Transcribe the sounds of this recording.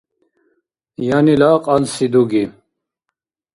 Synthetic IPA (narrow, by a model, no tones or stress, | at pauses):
janilaːqʼansid̪uɡi